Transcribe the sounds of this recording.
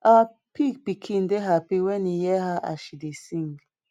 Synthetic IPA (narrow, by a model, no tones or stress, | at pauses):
a | pik̚pikʰĩndeɦapiwɛnijɛɦaʔa̰ʃidesĩŋɡ